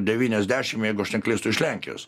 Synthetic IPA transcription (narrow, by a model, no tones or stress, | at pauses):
d̪ʲɛʋʲiːnʲɛzʲd̪ʲæːʃʲɪmjɛɪɡʊɐʃnʲɛklʲeɪst̪ʊɪʃlʲæŋʲkʲɪ̰jo̰ːs